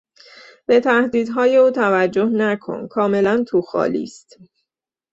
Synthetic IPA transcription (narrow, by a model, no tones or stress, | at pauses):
b̥e̞t̪ʰæhd̪iːd̪ɦɒːje̞uːt̪ʰævæd͡ʒːo̞hnækʰo̞̰nkʰɒːme̞lænt̪ʰuxɒ̰ːlḭːst̪